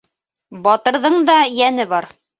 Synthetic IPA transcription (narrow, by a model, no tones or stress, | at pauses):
bɑt̪ɤ̆ɾðɤɴd̪ɑjænɘβɑɾ